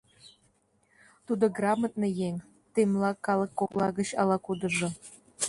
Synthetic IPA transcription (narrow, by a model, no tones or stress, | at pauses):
t̪ud̪oɡrɑmət̪̚nejeŋ | t̪emlɑkːɑlˠɤ̆kːoklˠɑɣə̆t͡ɕɑlˠɑkud̪ɤ̆ʒɤ̆